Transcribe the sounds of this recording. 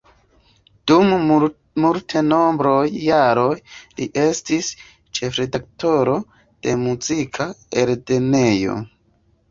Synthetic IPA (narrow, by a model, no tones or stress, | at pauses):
d̥um | multʰeno̞mbɾo̞jːaɾo̞jliʔe̞stis | t͡ʃe̞fɾe̞dakto̞ɾo̞ | d̥e̞muzikʰaeɾde̞nejo̞̰